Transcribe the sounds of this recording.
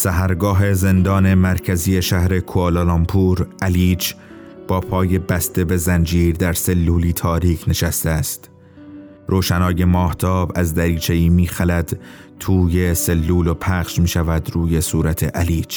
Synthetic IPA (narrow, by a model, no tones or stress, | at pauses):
sæɦæɾɡɒːɦe̞ze̞nd̪ɒːne̞mæɾcʰæziːeʃæhɾe̞kʰuololɒmpʰuːɾʔæliːt͡ʃ | b̥ɒːpʰɒːje̞bæst̪e̞be̞zænd͡ʒiːɾd̪æɾse̞lːuːliːt̪ʰɒːɾiːkʰne̞ʃæst̪eæst̪ | ɾoːʃænɒːje̞mɒːht̪ʰɒːbæzd̪æɾiːt͡ʃʰe̞iːmiːxælæd̪̥ | t̪ʰuːje̞se̞lːuːlo̞pʰæχʃmiːʃævæd̪ɾuːje̞suːɾæt̪ʰe̞ʔæliːt͡ʃ